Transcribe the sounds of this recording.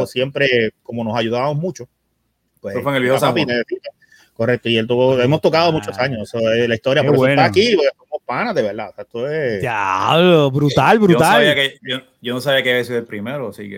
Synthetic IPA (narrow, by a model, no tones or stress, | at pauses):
sje̞mpɾe̞ko̞mo̞no̞saʝuðaβamosmũt͡ʃo | pwesofweŋelβehosapineðesit̪e | ko̞rek̚t̪oielt̪̬uβoemost̪o̞kaðo̞mut͡ʃosaɲosesoelaist̪o̞ɾjapoɾsot̪aakipokesomospanahðe̞βe̞ɾðaoseet̪oeaobɾut̪albɾuaalβiakeo | ɟ͡ʝonos̬aβiakeiβaesiðoelpɾimeɾosike